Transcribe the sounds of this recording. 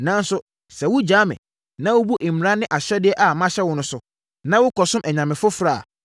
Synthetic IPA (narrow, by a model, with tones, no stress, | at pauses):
nã˦n̩˦sʊ˦ | sɛ˨wʊ˦d͡ʑaː˨˦mɪ̰̃˨ | nã˦wʊ˦bu˦ʔɪ˨m̩˨ɾã˦nɪ̃˦ʔa˨ɕɛ˦dɪ˦ɛ˦ʔa˨mã˦ɕɛ˦wʊ˦nʊ̃˦sʊ˦ | nã˦wʊ˦kʰɔ˨sʊ̃˦mʔɛ˨ɲã˨mɪ̃˨fʊ˦fɾa̰ː˦˨